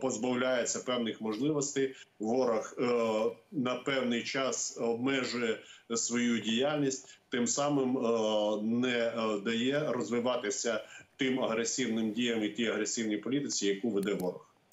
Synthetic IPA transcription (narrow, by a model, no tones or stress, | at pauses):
pɔzbɐwlʲajet͡sʲːɐpɛwnɪxmɔʒlˠɪʋɔsʲt̪ɪjʋɔɾɐx | nɐpɛwnɪjt͡ʃɑsɔb̚mɛʒʊjɛsʋɔjudʲijalʲnʲisʲtʲt̪ɪmsɑmɪm | nɛd̪ɐjɛɾɔzʋɪʋɑt̪ɪsʲɐt̪ɪmɐɦɾesʲiwnɪmdʲijɐmit̪ʲijɐɦɾesʲiwnʲijpɔlʲit̪ɪt͡sʲijɐkuʋed̪ɛʋɔɾɐx